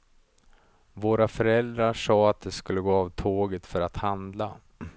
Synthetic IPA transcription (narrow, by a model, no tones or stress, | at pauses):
voːɾafœɾɛld̪ɾaʂɑːat̪̚d̪ɛskɵlːəɡoːavt̪ʰoːɡət̪fœɾat̪hand̪la